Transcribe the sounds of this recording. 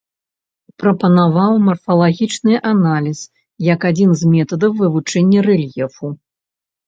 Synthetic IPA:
pɾɐpɐnavawmɐrfɐlˠaɣʲit͡ʂnɨjʔanalʲis | jɐkad͡zʲinzmʲɛt̪ɐd̪ɐwːɨvut͡ʂɛnʲːɐrɛlʲjɛfu

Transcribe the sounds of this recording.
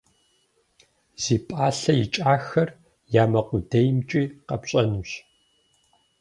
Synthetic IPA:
z̥iːpʼaːɬɐjit͡ʃʼaːxɐr | jaːmɐqʷʊdejmt͡ʃʼiːqɐpɕʼɐnuɕ

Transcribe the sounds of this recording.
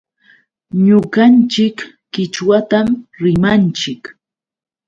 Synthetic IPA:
ɲʊɢɑnt͡ʃɪkː | ɪt͡ʃwat̪amɾɪmant͡ʃɪk

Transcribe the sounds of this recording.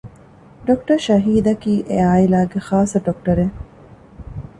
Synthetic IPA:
ɖokʈɐɾʃɐɦiːd̪ɐkiːʔeaːilaːɡexaːsɐɖok̚ʈɐɾe

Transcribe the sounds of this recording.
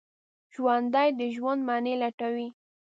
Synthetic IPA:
ʒ̥wand̪ajd̪əʒwand̪mɑnelaʈawi

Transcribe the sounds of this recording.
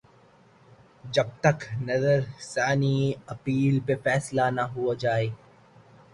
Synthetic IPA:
d͡ʒɐb̚t̪ɐknɐzəɾsaːniɐpiːlpefɛːslanaɦuad͡ʒaːeː

